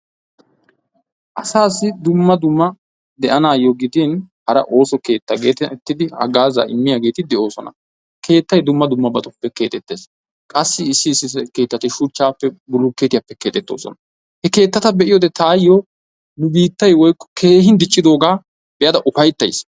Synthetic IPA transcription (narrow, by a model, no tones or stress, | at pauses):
ʔɐsaːsːɪd̪ʊmːɐd̪ʊmːɐ | d̪ɛʔɐnaːjoɡɪd̪inhɐɾɐʔo̞ːsɔke̞ːt̪ːɐɡḛːt̪t̪ːɪd̪ɪɐ̰ɡaːza̰ːɪmːɪjaɡe̞ːt̪ɪd̪ɛo̞ːsɔ̰nɐ̰ | kʰe̞ːt̪ːɐjd̪ʊmːɐd̪ʊmːɐbɐt̪ʼʊpːɛke̞ːt̪ʼɛt̪ːe̞ːs | kʼɐsːɪɪsːɪːsːɪɛke̞ːt̪ːɐt̪ɪʃʊt͡ʃːaːpːɛbʊlʊkːeːt̪ɪjɐpːɛke̞ːt̪ɛt̪ːo̞̰ːsɔ̰nɐ | hɛke̞ːt̪ːɐt̪ɐbɛʔɪjod̪ɛt̪aːjːoː | nʊbiːt̪ːɐjwɔjkːɔ̥kʰe̞ːɦɪnd̪ɪt͡ʃʼːɪd̪o̞ːɡaː | bɛjɐd̪ɐʔʊfɐjt̪ːɐjs